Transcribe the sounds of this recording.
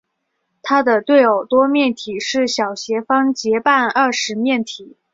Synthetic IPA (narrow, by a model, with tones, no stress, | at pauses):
t̪ʰa˥d̪ə˨t̪we˥˩ɪjo˨˩ʊt̪wɔ˥mjɛ˥˩nt̪ʰi˨˩ʂɻ̩˥˩ɕjɑ˨˩ʊɕjɛ˧˥fɑ˥ŋt͡ɕjɛ˧˥pa˥˧nɐ˥˩ʂɻ̩˧˥mjɛ˥˩nt̪ʰi˨˩˦